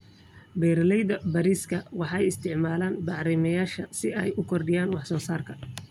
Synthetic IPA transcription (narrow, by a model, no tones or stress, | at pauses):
bɛjɾɐlɛjðɐbɐɾiːskʰɐwɑħɑɛjɪst̪ʰɪʕmaːlaːnbɑʕɾɛːmɐjaːʃɐsɪɛ̰jʊkʰɔrɖɪjaːnwɑħsɔːsaːrkʰɐ